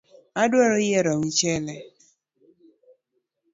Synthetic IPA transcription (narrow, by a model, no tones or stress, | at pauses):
adwɔɾɔjɛɾɔwit͡ʃɛlɛ